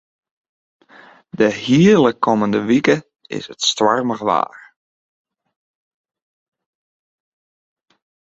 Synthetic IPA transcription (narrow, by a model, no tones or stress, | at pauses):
dəhiələkʰɔməndəʋikə | ɪ̰sətstʋarməɣʋa̰ːr